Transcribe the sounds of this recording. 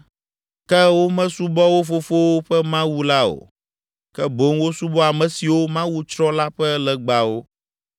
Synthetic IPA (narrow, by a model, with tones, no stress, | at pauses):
kɛ˦wo˦mɛ̃˦su˦bɔ˦wo˦fo˦fo˦wo˦ɸɛ˦mã˦wu˦la˦o̰˨ | kɛ˦bo˨˦ŋwo˦su˦bɔ˦a˨mɛ̃˨si˨wo˦mã˦wu˦t͡ʃɾɔ̃˦la˦ɸɛ˦lɛ˨ɡ͡ba˨wo˦